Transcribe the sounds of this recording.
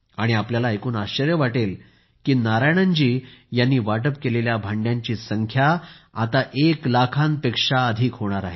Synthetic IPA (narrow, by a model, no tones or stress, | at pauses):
aɽ̃iapljalaekuːnaɕəɾjəʋaʈel | kiːnaɾajɽ̃əɲd͡ʑiːjanːiːʋaʈəpkeleljabʱaɳɖjãɲt͡ɕiːsəŋkʰjaat̪aʔeklakʰãnpekʂaəd̪ʱiːkɦoɽ̃aɾaɦe